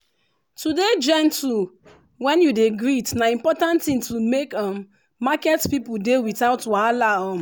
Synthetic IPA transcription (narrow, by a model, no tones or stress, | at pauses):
tuded͡ʒɛ̃ntu | wɛ̃njudeɡɹitnaĩmpɔtãntĩntumekãmː | akɛtpipudewitaʊtwalaɔ̃m